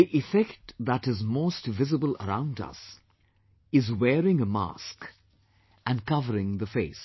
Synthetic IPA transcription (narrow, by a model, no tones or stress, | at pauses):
iʔɪfɛktðæʈɪzmoːstvɪzɨbələ̰ɾã̰ʊ̃ndʌ̰s | ɪzwɛːɾɪ̃ŋəma̰sk | ʔɨ̃nkʌvəɾɪ̃ŋðəfeɪs